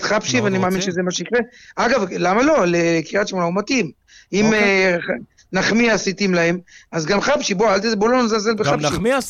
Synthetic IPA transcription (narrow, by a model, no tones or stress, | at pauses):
t̪χapʃiveanimaːminʃezemaʃeikʁeaɡavlamalo̞lekiʁat̪ʃmolaumat̪im | ime | naχmiasit̪imlaemazɡamχapʃiboaalt̪izebolonzalzelbeχapi